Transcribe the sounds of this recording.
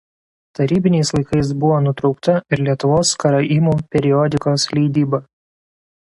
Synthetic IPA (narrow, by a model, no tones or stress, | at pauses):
t̪ɐɾʲiːbʲɪnʲɛɪslˠɐɪkɐɪs̬bʊʋoːnʊt̪ɾɒʊkt̪ɐɪɾlʲiɛt̪ʊʋoːskɐɾɐʔiːmuːpʲɛɾʲɪɔd̪ʲɪkoːslʲɛɪd̪ʲiːbɐ